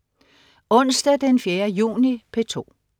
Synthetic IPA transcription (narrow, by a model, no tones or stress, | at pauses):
ɔ̽n̰sd̥æd̥enfjeːɐjṵːnipʰe̝t͡sʰo̝̰ː